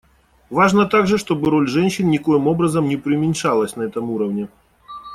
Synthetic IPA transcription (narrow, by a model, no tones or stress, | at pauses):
vaʐnɐt̪aɡʐɨʂt̪o̞bɨɾo̞lʲʐɛnʲɕːɪnnʲɪko̞jɪmo̞bɾɐzɐmnʲɪpɾʲɪʊmʲɪnʲʂalˠəsʲnɐɛt̪ɐmuɾɐvnʲɪ